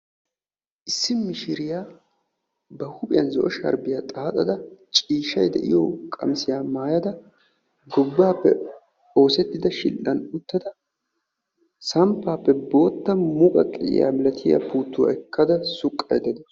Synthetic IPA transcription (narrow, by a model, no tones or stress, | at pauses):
ʔɪsːɪmɪʃɪɾɪjaː | bɐhʊpʼɪjɐnzɔʔɔʃɐ̰ɾbɪjaːt̪ʼaːt̪ʼɐd̪ɐt͡ʃʼiːʃɐjd̪ɛ̰ʔɪ̰jɔkʼɐ̰msɪjaːmaːjɐd̪ɐ | ɡɔbːaːpːɛ̰ | o̞ːsɛt̪ːɪd̪ɐʃɪ̰lʔːɐnʊt̪ːɐd̪ɐ | sɐmpːaːpːɛbo̞ːt̪ːɐmʊkʼɐkʼɪɪ̰ja̰ːmɛlɐt̪ʰɪja̰puːt̪ːʊwɐ̰ɛkʰːɐd̪ɐsʊkʼːɐjd̪ɛd̪ɔ